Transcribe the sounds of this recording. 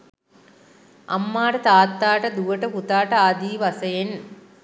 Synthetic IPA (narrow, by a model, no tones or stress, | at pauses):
ɐ̰mːaːʈɐt̪aːt̪ːaːʈɐd̪uʋɐʈɐput̪aːʈɐaːd̪iːʋɐsɐjen